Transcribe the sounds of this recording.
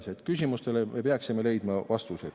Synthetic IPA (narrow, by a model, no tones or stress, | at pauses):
set̪kysʲimust̪e̞leme̞peɑksime̞le̞jd̪̥mɑvɑst̪used̪̥